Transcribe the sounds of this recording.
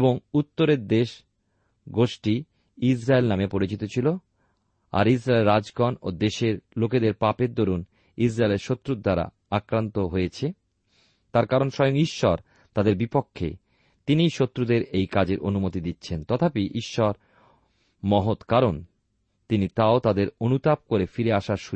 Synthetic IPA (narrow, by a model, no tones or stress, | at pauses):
eboŋut̪ːoɾeɾd̪eʃ | ɡoʃʈi | isɾaelnamepoɾit͡ɕit̪ot͡ɕʰilo | a̰ɾisɾaeleɾːad͡ʑɡɔnod̪eʃeɾloked̪eɾpapeɾd̪oɾun | isɾaeleɾʃot̪ːɾud̪aɾa̰ | akɾant̪oɦojet͡ɕʰe | t̪aɾkaɾonʃɔjoŋiʃːɔɾ | t̪ad̪eɾbipokʰːḛ | t̪inijʃot̪ːɾud̪eɾejkad͡ʑeɾʔonumot̪id̪itːɕʰent̪ɔt̪ʰapiʔiʃːɔɾ | mɔɦot̪kaɾon | t̪init̪aot̪ad̪eɾonut̪ap̚koɾefiɾeaʃaɾʃu